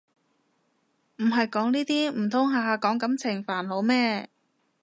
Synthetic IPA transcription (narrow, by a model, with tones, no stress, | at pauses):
m̩˨˩ɦɐ˨jkɔː˨˥ŋniː˥t̪iː˥m̩˨˩t̪ʰʊ˨˥ŋɦaː˨˧kɔː˨˥ŋkɐ˨˥mt͡sʰɪ˨˩ŋfaː˨˩nlo˨˧wmɛː˥